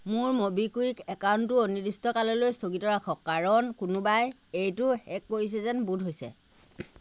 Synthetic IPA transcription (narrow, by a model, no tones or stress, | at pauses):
mʊɹmobikuikɛkawntʊonidistɔkalɔlojstoɡitɔɹakʰɔkːaɹɔnkʊnʊbaj | ejtʊhɛkːoɹis̬ɛzɛnbudʱɦojsɛ̰